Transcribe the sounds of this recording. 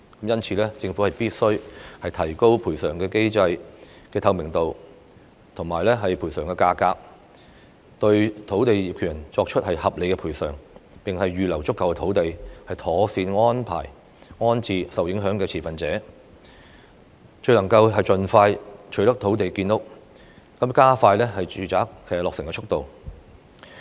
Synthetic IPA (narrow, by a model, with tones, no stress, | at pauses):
kɐ˨˥mjɐ˥nt͡sʰiː˧lɛː˥t͡sɪ˧ŋfu˨˥hɐ˨jpiː˥t̚sɵ˥ɥhɐ˨jt̪ʰɐ˨˩jko˥wpʰuː˨˩sœː˨˩ŋkɛː˧ke˥jt͡sɐ˧j | kɛː˧t̪ʰɐ˨˧wmɪ˨˩ŋt̪o˨w | t̪ʰʊ˨˩ŋmaː˨˩jlɛː˥ɦɐ˨jpʰuː˨˩jsœː˨˩ŋkɛː˧kaː˧kaː˧k̚ | t̪ɵ˧ɥt̪ʰo˨˥wt̪e˨jiː˨p̚kʰy˨˩˨nt͡sɔː˧k̚t͡ʃʰɵ˥t̚hɐ˨jhɐ˨p̚le˨˧jkɛ˧pʰuː˨˩sœː˨˩ŋpɪ˨ŋhɐ˨jːyː˨˧lɐ˨˩wt͡sʊ˥kːɐ˨wkɛ˧t̪ʰo˨˥wt̪e˨jhɐ˨jt̪ʰɔː˨˥siː˧nŋɔː˥npʰa̰ː˨˩j | ŋɔː˥nt͡sʰiː˧sɐ˨wjɪ˨˥ŋɦœː˨˥ŋkɛː˧t͡sʰiː˨˩fɐ˨nt͡sɛː˨˥ | t͡ʃɵ˧ɥlɐ˨˩ŋkɐ˧wɦɐ˨jt͡ʃɵ˨nfaː˧jt͡ʃʰɵ˨˥t̪ɐ˥k̚t̪ʰo˨˥wt̪e˨jkkiː˧nlʊ˥k̚ | kɐ˨˥mkaː˥faː˧jlɛː˥hɐ˨jt͡ʃyː˨t͡saː˨˥k̚kɛː˧lɔː˨ksɪ˨˩ŋkɛː˧t͡ʃʰʊ˥k̚t̪o˨w